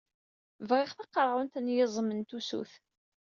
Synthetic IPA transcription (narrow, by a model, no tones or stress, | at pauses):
vʁɪχθɑqːɾˤʁʊnt̪ænjɪzˤmənt̪usṵθ